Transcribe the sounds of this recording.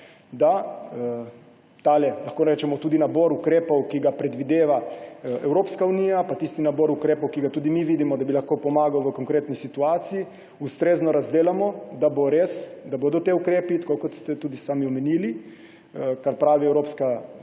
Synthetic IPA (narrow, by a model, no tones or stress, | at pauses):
d̪a | t̪alɛlaxkoːnɾɛt͡ʃɛmɔt̪uːd̪inaboɾukɾeːpɔwkiɡapɾɛd̪ʋid̪eːʋaɛwɾoːpskauniːjapat̪ist̪inaboːɾukɾeːpɔwkiɡat̪ud̪imiʋiːd̪imɔd̪abilaxkopɔmaːɡawʋəkoŋkɾeːt̪nisit̪uaːt̪siji | ust̪ɾeːznɔɾazd̪eːlamɔd̪aboɾeːsd̪aboːd̪ɔt̪eukɾeːpit̪kokɔt̪st̪ɛt̪uːd̪isaːmiɔmɛniːli | kaɾpɾaːʋiɛwɾoːpska